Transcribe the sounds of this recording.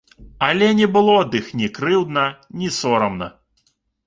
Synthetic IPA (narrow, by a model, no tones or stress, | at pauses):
ɐlʲɛnʲɛbɨlˠɔd̪ɨxnʲikɾɨwd̪nɐnʲisɔɾɐmnɐ̰